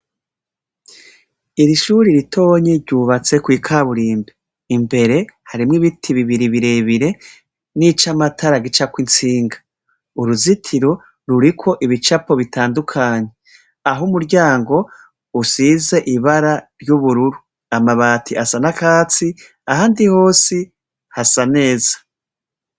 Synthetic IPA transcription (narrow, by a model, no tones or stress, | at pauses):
iɾiʃuɾiɾitʰo̞ːɲeɾɟuːβat͡se̞kwiːkʰaβuɾiːmbe | imbe̞ɾe̞haɾimŋiβitʰiβiβiɾiβiɾe̞βiɾe̞ | nit͡ʃamatʰaɾaɡit͡ʃakwint͡siːŋɡḁ | uɾuzitʰiɾo̞ | ɾuɾikʰwo̞ʔiβit͡ʃapo̞βitaːndukʰaːɲe̞ | aɦumuɾɟaːŋɡo̞ | usiːze̞ʔiβaɾaɾjuβuɾuɾu | amaβaːtʰiʔasanakaːt͡si | ahaːndiho̞ːsi | hasane̞ːzḁ